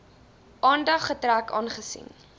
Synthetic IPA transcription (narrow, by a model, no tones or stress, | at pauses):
ʔɑːndɐχːətrækɑ̰ːnχəsḭn